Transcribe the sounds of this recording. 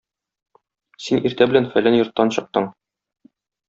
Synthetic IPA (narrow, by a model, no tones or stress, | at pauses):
siniɾt̪æbɘ̆lænfælænjŏɾt̪ːɑnɕɤ̆q̚t̪ɤɴ